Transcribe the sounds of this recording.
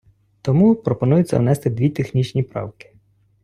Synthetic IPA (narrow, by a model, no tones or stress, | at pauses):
t̪ɔmupɾɔpɔn̪ujʊt͡ssʲɐ̰wnɛst̪ɪd̪ʋʲit̪exnʲit͡ʃnʲipɾɑ̰wkɪ̥